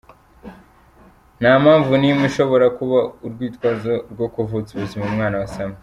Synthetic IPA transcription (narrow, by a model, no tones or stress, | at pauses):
naːmaːɱvunimuʃo̞βo̞ɾakuβauɾɡwiːtwaːzoɾɡo̞kuvuziβuzimumŋaːnawasama